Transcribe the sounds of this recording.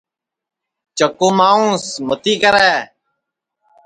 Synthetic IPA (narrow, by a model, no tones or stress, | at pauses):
t͡ʃəkuːmaːũːsmʊt̪iːkəɾɛː